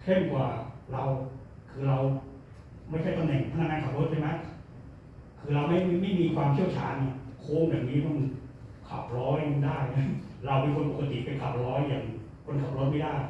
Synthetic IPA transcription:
k̪ʰe˥˩nkwaː˨˩ɾa˧wkʰɯː˧ɾa˧w | ma˥˩jt͡ɕʰa˥˩jt̪a˧mnɛ˨˩ŋpʰa˧˨na˥˧˩ŋaː˧ŋkʰa˨˩p̚ɾo˦˥t͡ɕʰa˥˩ma˦˥j | kʰɯː˧ɾa˧wma˥˩jm˥˩ma˥˩jmiː˧kʰwaː˧mt͡ɕʰi˥˩əwt͡ɕʰa̰ː˧ni˧˩kʰoː˧˥˨ŋjaː˨˩ŋniː˦˥ma˧nkʰa̰˨˩p̚ɾɔː˦˥jdaː˥˩ja˦˥ɾa˧wmiː˧kʰo˧npo˨˩ka˧t̪ḭ˨˩pe˧nkʰa˨˩p̚ɾɔː˦˥jːaː˨˩ŋ | kʰo˧nkʰa˨˩p̚ɾo˦˥t̪̚ma˥˩jdaː˥˩j

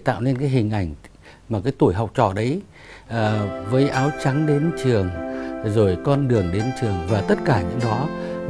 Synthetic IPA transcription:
t̪a̰ː˧˨wle˧nkaː˨˦jɦï˨˩ŋ̟ʔa˧˩jŋ̟ | maː˨˩kaː˨˦jt̪u˧˩əjɦɔ˨˩wk͡p̚t͡ɕɔ̰˧˨ɗə˨˦j | ʔːvəː˨˦jʔaː˨˦wt͡ɕa˨˦ŋɗe˨˦nt͡ɕɨ˨˩əŋzo˨˩jkɔ˧nɗɨ˨˩əŋɗe˨˦nt͡ɕɨ˨˩əŋvaː˨˩t̪ə˦˥t̚kaː˧˩ɲɨ̰˧˥ŋɗɔ˨˦

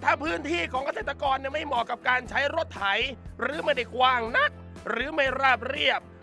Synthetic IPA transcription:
t̪ʰaː˥˩pʰɯː˥˩nt̪ʰiː˥˩kʰɔː˩˦ka˧seː˨˩t̪ːa˧kɔː˧nːi˧˥˩ma˥˩jmɔː˨˩kːa˨˩p̚kaː˧nt͡ɕʰa˦˥jɾo˦˥t̪ʰːa˩˦jɾɯː˨˩˦ma˥˩jda˨˩kwaː˧˩ŋna˦˥t̪̚ | ɾɯː˩˦ma˥˩jɾaː˥˩p̚ɾi˥˩əp̚

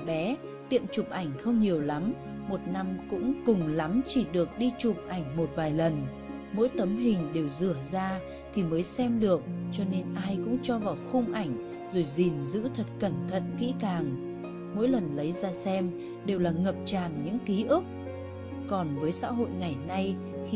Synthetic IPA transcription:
ɓɛ˨˦ | t̪ḭ˧˨əmt͡ɕʊ˨˩p̚ʔa˧˩jŋ̟xə˧wŋ͡mɲi˨˩əwla˨˦m | mo˨˩t̚na˧mkʊ̰˧˥ŋ͡mkʊ˨˩ŋ͡mla˨˦mt͡ɕi˧˩ɗɨ˨˩ək̚ɗi˧t͡ɕʊ˨˩p̚ʔa˧˩jŋ̟mo˨˩t̚vaː˨˩jlə˨˩n | mo̰˧˥jt̪ə˨˦mɦï˨˩ŋ̟ɗe˨˩wzɨ˧˩əzaː˧ | t̪ʰi˨˩məː˨˦jsɛ˧mɗɨ˨˩ək̚t͡ɕɔ˧ne˧nʔaː˧jkʊ̰˧˥ŋ͡mt͡ɕɔ˧vaː˨˩wxʊ˧ŋ͡mʔa˧˩jŋ̟ | zo˨˩jzi˨˩nzɨ̰˧˥t̪ʰə˨˩t̚kə˧˩nt̪ʰə̰˧˨nkḭ˧˥kaː˨˩ŋ | mo̰˧˥jlə˨˩nlə˨˦jzaː˧sɛ˧m | ɗe˨˩wlaː˨˩ŋə˨˩p̚t͡ɕaː˨˩nɲɨ̰˧˥ŋki˨˦ʔɨ˦˥k̚ | kɔ˨˩nvəː˨˦jsa̰ː˧˥ɦo̰˧˨jŋa˨˩jna˧j

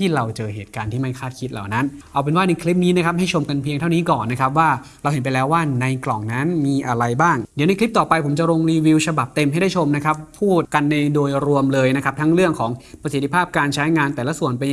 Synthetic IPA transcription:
t̪ʰiː˥˩ɾa˧wt͡ɕɤː˧ɦeː˨˩t̪̚kaː˧nt̪ʰiː˥˩ma˥˩jkʰaː˥˩t̪̚kʰi˦˥t̪̚la̰˨˩wna˦˥nʔa˧wpe˧nwaː˥˩na˧jkʰli˦˥p̚niː˦˥na˦˥kʰa˦˥p̚ha˥˩jt͡ɕʰo˧mka˧npʰi˧əŋt̪ʰa˥˩wniː˦˥kɔː˨˩nːa˦˥kʰa˦˥p̚waː˥˩ɾa˧wɦe˩˦npa˧jlɛː˦˥waː˥˩na˧jklɔ˨˩ŋna˦˥nmiː˧ʔa˧ɾa˧jbaː˥˩ŋdi˨˦na˧jkʰli˦˥p̚t̪ɔː˨˩pa˧jpʰo˩˦mt͡ɕa˨˩ɾo˧ŋɾiː˧wi˧wt͡ɕʰa˧ba˨˩p̚t̪e˧mha˥˩jda˥˩jt͡ɕʰo˧mna˦˥kʰa˦˥pʰːuː˥˩t̪̚ka˧nːa˧jdoː˧jɾu˧əmlɤː˧jna˦˥kʰa˦˥p̚t̪ʰa˦˥ŋɾɯ˥˩əŋkʰɔː˩˦ŋpɾa˧si˨˩t̪ʰːi˦˥pʰaː˥˩p̚kaː˧nt͡ɕʰa˦˥jŋaː˧nt̪ɛː˨˩la˦˥su˨˩ənpe˧n

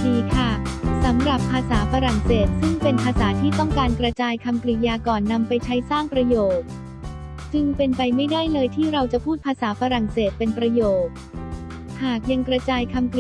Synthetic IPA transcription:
diː˧kʰa˥˩sa˩˦mɾa˨˩pʰːaː˧saː˩˦fa˧ɾa˨˩ŋseː˨˩t̪̚sɯ˥˩ŋpe˧npʰaː˧saː˩˦t̪ʰiː˥˩t̪ɔ˥˩ŋkaː˧nkɾa˧t͡ɕaː˧jkʰa˧mkɾi˨˩jaː˧kɔː˨˩nːa˧mpa˧jt͡ɕʰa˦˥jsaː˥˩ŋpɾa˧joː˨˩k̚ | t͡ɕɯ˧˩ŋpe˧npa˧jma˥˩jdaː˥˩jlɤː˧jt̪ʰiː˥˩ɾa˧wt͡ɕa˨˩pʰuː˥˩t̪̚pʰaː˧saː˩˦faː˧ɾa˨˩ŋseː˨˩t̪̚pe˧npɾa˧joː˨˩k̚ | haː˨˩k̚ja˧ŋkɾa˧t͡ɕaː˧jkʰa˧mk

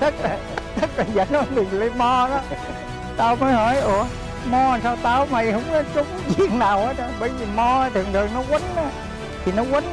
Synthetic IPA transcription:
t̪ə˦˥t̚laː˨˩ | t̪ə˦˥t̚laː˨˩zəː˨˩nɔ˨˦jɗɨ˨˩əŋlə˨˦mɔ˧ɗɔ˨˦ | t̪aː˧wməː˨˦jhəː˨˦jʔu˨˩ə | mɔ˧a˨˩nsaː˧wt̪aː˧˩wma˧˩jhə˧wŋ͡ma˨˦t͡ɕʊ˨˦ŋ͡mzi˨˩əŋnaː˨˩wʔəː˨˦˥t̚ɗɔ˧˦ɓə˧˩jzi˨˩mɔ˧˦t̪ʰɨ˨˩əŋt̪ʰɨ˨˩əŋnɔ˨˦ɣwə˨˦na˨˦ | t̪ʰi˨˩nɔ˨˦wə˨˦n

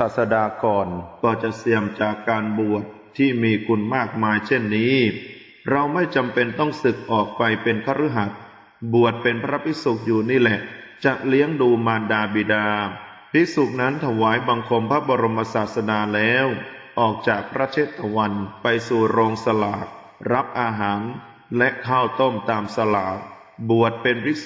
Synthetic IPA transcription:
aː˨˩t̪̚sa˧daː˧kɔː˨˩nkɔː˧˩t͡ɕa˨˩ʔsi˨˩əmt͡ɕaː˨˩kːaː˧nbu˨˩ət̪ʰːiː˥˩miː˧kʰu˧nmaː˥˩k̚maː˧jt͡ɕʰe˥˩nːiː˦˥ | ɾa˧wma˥˩jt͡ɕa˧mpe˧nt̪ɔ˥˩ŋsɯ˨˩k̚ʔɔː˨˩k̚pa˧jpe˧nkʰaː˦˥˩ɾu˦˥ɦa˨˩t̪̚ | bu˨˩ət̪̚pe˧npʰɾa˦˥pʰi˦˥su˨˩k̚juː˨˩niː˥˩lɛ˨˩ʔt͡ɕa˨˩ʔli˦˥əŋduː˧maː˧ndaː˧biː˨˧˩daː˧ | pʰi˦˥su˨˩k̚na˦˥nt̪ʰa˧waː˩˦jba˧ŋkʰo˧mpʰa˦˥bɔ˧ɾo˧mːa˧saː˨˩t̪̚sa˧naː˧lɛː˦˥wʔɔː˨˩k̚t͡ɕaː˨˩k̚pʰɾa˦˥t͡ɕʰeː˥˩t̪ʰːa˧wa˧npa˧jsuː˨˩ɾoː˧ŋsa˧laː˨˩t̪̚ | ɾa˦˥p̚ʔaː˧ɦaː˩˦n | lɛ˦˥ʔkʰaː˥˩wt̪o˥˩mt̪aː˧msa˧laː˩˦ | bu˨˩ət̪̚pe˧npʰi˦˥

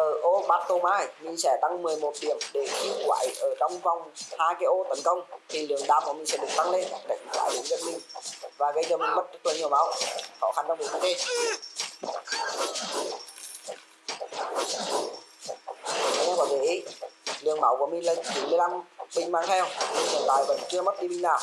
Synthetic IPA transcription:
ʔəː˧˩ʔo˧ɓaː˧˩t̚t̪o˧maː˧˩jmi˧˨sɛ̰˧˩t̪a˧ŋmɨ˨˩əjmo˨˩t̚ɗi˨˧˩əŋɗe˨˩xi˦kwa̰ː˧˨jʔəː˧˩ɗɔ˧wŋ͡mva˨˩wŋ͡mhaː˧jkaː˨˦jʔo˧˦t̪ə˨˦nkə˧wŋ͡mt̪ʰi˨˩lɨ˨˧˩əŋɗaː˧˩m̚ku˧˩əmï̟˨sɛ̰˧˥˩ɗɨ˨˩ək̚t̪a˧ŋle˧nɗa̰˧˨jŋkwa̰ː˧˩jɗe˨˦zi˨˦˥k̚mï˨˩ŋ̟vaː˨˩ɣə˧˦jzəː˨˧˩mï˨˩ŋɓə˦˥t̚ɗɨ˦˥k̚laː˨˩ɲi˨˩əwma˨˦wxɔ̰˧˩xa˧nɗwvi˨˩ki˧˦t̪e˧˨˧ | ɛ˧kwaː˧˩vi˧˩ʔi˨˦lɨ˨˧˩əŋmaː˨˦wkəmï˨ŋ̟lə˧˩˧t͡ɕi˨˦nmɨ˧əjla˧mɓï˧˩ŋ̟maː˧ŋt̪ʰɛ˧wlɨ˨˩əŋt̪aː˧˨˩jvə̰˧˥nt͡ɕɨ˧əmə˦˥t̚ɗi˧ɓï˧ŋ̟naː˨˩w

